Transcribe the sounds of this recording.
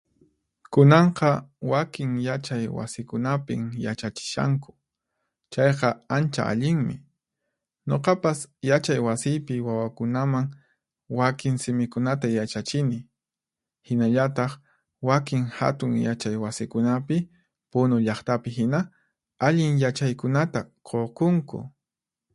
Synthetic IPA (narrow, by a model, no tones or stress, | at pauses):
kʊnɑɴqɑwakɪŋjat͡ʃajwa̰sɪkʊnapɪ̰ŋjat͡ʃat͡ʃɪ̥ʃa̰ŋkʊ̥ | t͡ʃɑjqɑant͡ʃa̰a̰ʎɪŋmɪ̰ | ɲo̰qɑpasjat͡ʃajwasɪjpɪwawakʊnamaŋ | wakɪŋsɪmɪkʊnat̪ajat͡ʃat͡ʃɪnɪ | hɪnaʎat̪ɑχ | wakɪŋha̰t̪ʊŋjat͡ʃajwasɪkʊnapɪ | pʊnʊʎɑχt̪apɪɦɪna | aʎɪŋjat͡ʃajkʊnat̪aqʰoqʊŋkʊ̰